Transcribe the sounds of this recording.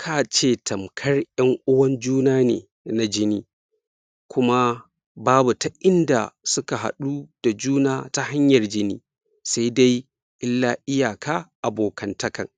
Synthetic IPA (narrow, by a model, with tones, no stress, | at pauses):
kʰaː˦˨t͡ʃeː˦˨tʰɐ˨mkʰɐ˦rjɐ˦ŋʔʊ˦wɐ˦nd͡ʒuː˦naː˦nḛː˨ | na˨d͡ʒɪ˦niː˦ | kʷʊ˦ma˦ | baː˦bu˨ta˦ʔɪ˦nda̰˨sʊ˦ka˨ɦa̰˨ɗuː˦d̥a˨d͡ʒuː˦naː˦ta˦ha˦ɲjɐ˨rd͡ʒɪ˦niː˦ | sa˦jda˦j | ʔɪ˦lːa˨ʔɪ˦jaː˨kʰa˦ʔa˨boː˨kɐ˨ntɐ˦kɐ̰˨ŋ